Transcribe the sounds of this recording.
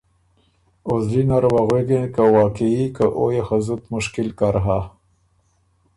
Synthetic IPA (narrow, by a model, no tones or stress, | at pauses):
ozlinaɾwaɣweɡenkawɑːkeikaʔojexazut̪mʊʃkɪlkaɾɦa